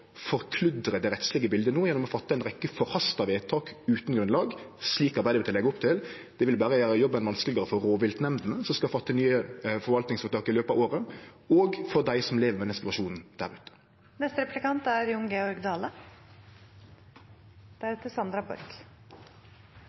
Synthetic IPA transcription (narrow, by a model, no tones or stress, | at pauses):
fɔɾkʰlʉd̪ɾəd̪ɛɾɛt̪slɪɡəbɪld̪ənoːjɛnːɔmɔfɑt̪ːəæɪnʁɛkːəfɔɾhɑst̪ɑʋeːt̪ʰɑːkʉːt̪n̩ɡɾʉnlɑːɡsliːkɑɾbæɪd̪əʋɪt̪ɪlɛɡʊp̚t̪ʰɪl | d̪̥ɛʋɪlbæːɾəʋæːɾəjɔbːɛnʋɑnsklɪɡəʁɾəfɔɾɾoːʋɪlt̪nɛmd̪n̩əsɔmskɑfɑt̪ːənyːəfɔɾʋɑlt̪nɪŋsfɔʁt̪ʰɑːkɪløːpɑʋoːɾə | ɔːɡfɔʁd̪æɪsɔmleːʋəɾmɛɛɛsɪt̪ʉʋɑʂuːnn̩d̪̥æ̰ɾʉːt̪ə̥ | nɛst̪əɾɛplɪkʰɑnt̪æɾjʊŋɡeɔɾɡd̪ɑːlə | d̪̥æɾɛt̪əsɑnd̪ɾɑbɔ̰ɾɡ̥